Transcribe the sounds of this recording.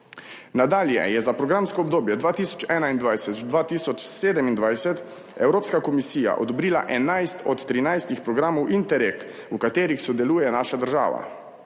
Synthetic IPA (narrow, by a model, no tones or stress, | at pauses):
nad̪aːljɛ̰jɛzapɾɔɡɾamskɔːbd̪oːbjɛd̪ʋaːt̪iːsɔ̥t͡ʃɛːnaind̪ʋajsɛt̪d̪ʋaːt̪iːsɔt͡ʃseːd̪ɛmind̪ʋajsɛt̪ | ɛwɾoːpskakɔmisiːja̰ʔɔd̪ɔbɾiːla̰ʔɛnajst̪ɔt̪ːɾinajst̪ixpɾɔɡɾaːmɔwʔint̪ɛɾek | ukat̪eːɾixsɔd̪ɛluːjɛnaːʃad̪əɾʒa̰ːʋa̰